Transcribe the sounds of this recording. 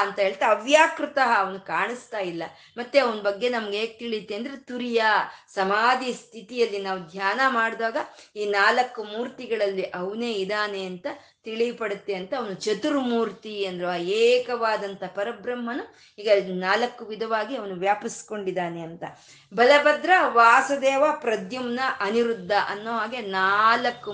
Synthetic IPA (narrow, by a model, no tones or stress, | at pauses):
ɐnt̪ɐɦe̞ːɭt̪eɐʋjaːkɾut̪ɐɦɐːʋɐnukaːɳist̪aːjilːɐ̰ | mɐt̪ːeɐʋɐnɐbɐɡːe̞nɐmɐɡeːɡ̚t̪iɭit̪ːe̞ːnd̪ɐɾet̪uɾijasɐmaːd̪ist̪ʰit̪ijɐlːinaːʋud̪ʱjaːnɐmaːɽd̪aːɡɐiːnaːlɐkːumuːɾt̪iɡɐɭɐlːiʔɐʋne̞ːid̪aːne̞ɐnt̪ɐ | t̪iɭipɐɽut̪ːe̞ɐnt̪ɐːʋɐnut͡ʃɐt̪uɾmuːɾt̪iɐnd̪ɐɾeɐjeːkɐʋaːd̪ɐnt̪ɐpɐɾɐbɾɐmːɐnu | iːɡɐnaːlɐkːuʋid̪ʱɐʋaːɡiɐʋɐnuʋjaːpisko̞ɳɖid̪aːne̞ɐnt̪ɐ | bɐlɐbɐd̪ɾɐʋaːsɐd̪ɛːʋapɾɐd̪jɐmnɐʔɐniɾud̪ʱːɐʔɐnːoːɦaːɡe̞naːlɐkːu